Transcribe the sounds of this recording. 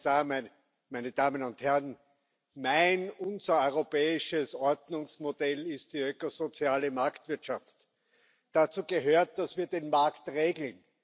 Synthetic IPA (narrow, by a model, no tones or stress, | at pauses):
saːm | mæɪnəd̥aːmənʊnthɛʁn | mæɪnʊnzɐɔʏʁopɛːɪʃəsɔɐdnʊŋsmod̥ɛlɪst̚d̥iːøkozot͡sjaːləmaɐktv̥ɪɐtʃaft | d̥at͡suːɡəɦøːɐt̚d̥asv̥iːɐdenmaɐktʁeːɡl̩n